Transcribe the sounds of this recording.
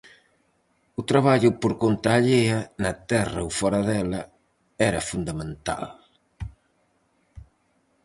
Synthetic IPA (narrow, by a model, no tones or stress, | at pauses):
ʊt̪ɾaβaʎʊpoɾkont̪aːʎeɐnɐt̪ɛrɐowfɔɾɐðɛlɐ | ɛɾɐfund̪amẽnt̪a̰l